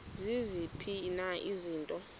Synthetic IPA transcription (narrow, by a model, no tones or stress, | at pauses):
zizipʰinaʔiziːntʼɔ